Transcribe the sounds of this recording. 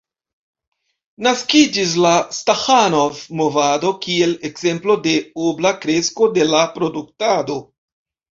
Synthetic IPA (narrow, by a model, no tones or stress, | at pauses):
naskid͡ʒis̬lastaxanovmovado̞kie̞le̞kze̞mplo̞de̞oblakɾe̞sko̞de̞lapɾo̞duk̚tado̞